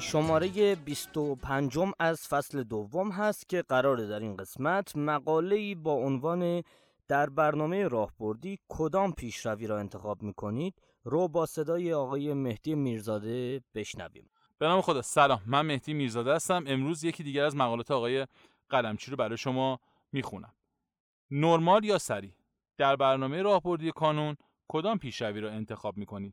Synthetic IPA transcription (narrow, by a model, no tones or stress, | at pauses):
ʃo̞mɒːɾe̞je̞bist̪opʰænd͡ʒo̞mæzfæsle̞d̪ovːomɦæst̪cʲʰe̞ɢæɾɒːɾed̪æɾinɢe̞smæt̪ʰmæɡɒːle̞iːbɒːonvɒːne | d̪̥æɾbæɾnɒːme̞jeɾɒːhb̥o̞ɾd̪iːkʰo̞d̪ɒːmpʰiːʃɾæviːɾɒːe̞nt̪ʰe̞xɒːbmiːkʰo̞niːd̪̥ | ɾoːbɒːse̞d̪ɒːjeɒːɣɒːje̞me̞hd̪̥ijemiːɾzɒːd̪e̞b̥e̞ʃnæ̰vḭːm | b̥e̞nɒːme̞xo̞d̪ɒːsælɒːmːænme̞hd̪ijemiːɾzɒːd̪ehæst̪æme̞mɾuːzje̞cʰiːd̪iːɟæɾæzmæɣɒːlɒːt̪ʰeɒːɣɒːje̞ | ɣ̥ælæmt͡ʃʰiːɾobæɾɒːjeʃo̞mɒː | miːxunʔæ̰m | noɾmɒːljɒːsæɾiː | d̪̥æɾbæɾnɒːme̞jeɾɒːhbo̞ɾd̪ijekʰɒːnun | kʰo̞d̪ɒːmpʰiːʃɾæviːɾɒːe̞nt̪ʰe̞xɒːb̚miːkʰo̞niːd̪̥